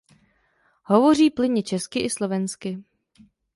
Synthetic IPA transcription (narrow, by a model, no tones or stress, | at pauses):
ɦovo̞r̝iːplɪɲɪt͡ʃɛskɪʔɪslo̞vɛnskɪ